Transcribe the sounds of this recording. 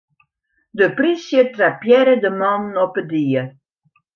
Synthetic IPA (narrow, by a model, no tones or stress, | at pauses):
dəprisjətrapjɛɾədəmɔnɔpədiə